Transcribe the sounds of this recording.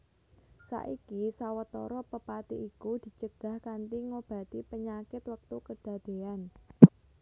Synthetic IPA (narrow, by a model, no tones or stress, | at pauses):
sa̰ʔikisawət̪ɔ̰ɾɔpəpat̪iʔikud̪̥i̤t͡ʃəɡ̥a̤hkant̪iŋob̥a̤t̪ipəɲakɪt̪wək̚t̪ukəd̪̥ä̤d̪̥e̤an